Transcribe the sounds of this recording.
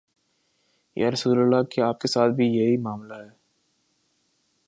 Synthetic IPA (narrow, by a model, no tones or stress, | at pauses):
jʔa̰ɾɐsuːləlːakiaːp̚kesaːt̪̚ʰbʱijeɦimaːmlaɦɛː